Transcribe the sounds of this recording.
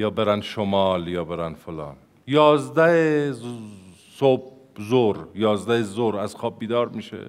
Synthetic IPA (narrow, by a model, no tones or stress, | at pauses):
jɒːbeɾænʃomɒːljɒːbe̞ɾænfolɒ̰ːn | jɒːzd̪æhe | sob̥̚ | zoɾjɒːzd̪æhezoɾæz̥xɒːb̚ːiːd̪ɒːɾmiːʃḛ